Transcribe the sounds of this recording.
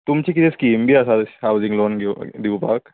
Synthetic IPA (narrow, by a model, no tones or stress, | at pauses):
t̪ʊmt͡ʃikit̪ʰeskiːmbʱiɐsahaʊzɪ̃ŋɡloːnɡd̪iʋpaːk